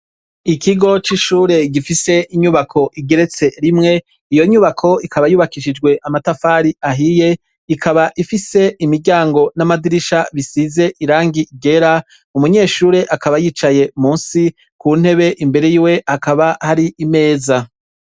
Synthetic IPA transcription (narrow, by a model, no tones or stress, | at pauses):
ikiɡo̞t͡ʃiʃuːɾe̞ɡifise̞ʔiɲuβakʰo̞ʔiɡe̞ɾe̞t͡se̞ɾimŋe̞ | ijo̞ɲuβakʰo̞ikʰaβajuːβakiʃid͡ʒɡwe̞ʔamatafaːɾiaɦije̞ | ikʰaβaʔifise̞imiɾɟaːŋɡo̞namadiɾiʃaβisize̞ʔiɾaːŋɡiɡe̞ɾa | umuɲe̞ːʃuːɾe̞ʔakaβajiːt͡ʃaje̞muːnsi | kuːn̥e̞βe̞ʔimbe̞ɾe̞jiwe̞hakaβahaɾiʔime̞ːza